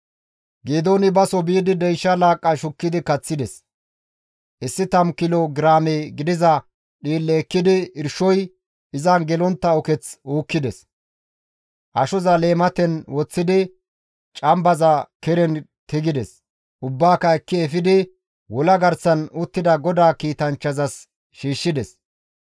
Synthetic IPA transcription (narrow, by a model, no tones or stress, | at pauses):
ɡeːd̪oːnɪbɐsɔbiːd̪ɪd̪ɛjʃːɐlaːkʼːɐʃʊkːɪd̪ɪkɐt͡sːɪd̪ɛs | ʔɪsːɪt̪ɐmkɪloɡɪɾaːmeɡɪd̪ɪzɐ | ɗiːlːeːkːɪd̪ɪɪɾʃɔj | ɪzɐnɡɛlɔnt̪ːɐɔkɛt͡suːkːɪd̪ɛs | ʔɐʃɔzɐle̞ːmɐt̪ɛnwɔt͡sːɪd̪ɪ | t͡ʃʼɐmbɐzɐkɛɾɛnt̪ɪɡɪd̪ɛs | ʔʊbːaːkɐɛkːɪɛfɪd̪ɪ | wɔlɐɡɐɾsɐnʊt̪ːɪd̪ɐɡɔd̪aːkiːt̪ɐnt͡ʃːɐzɐs | ʃiːʃːɪd̪ɛs